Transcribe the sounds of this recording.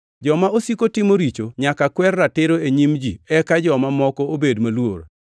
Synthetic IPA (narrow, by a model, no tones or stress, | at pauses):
d͡ʒɔmaosikotɪmoɾit͡ʃoɲakakwɛrːatɪɾoeɲimd͡ʒḭɛkad͡ʒɔmamɔkɔobedmalwo̰r